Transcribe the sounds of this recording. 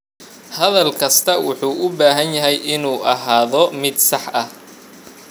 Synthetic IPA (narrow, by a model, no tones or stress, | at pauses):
hɐðɐlkʰɐst̪ʰɐwʊħuːʔʊbaːɦɐnjɐɦɛjʔɪnuːʔɐɦaːðɔmɪd̪sɑħʔɐh